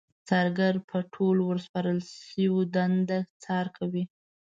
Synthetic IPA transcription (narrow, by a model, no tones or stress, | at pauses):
t͡sɑɾɡaɾpʰəʈʰolwəɾspɑɾəlʃəwod̪and̪at͡sɑɾkʰawi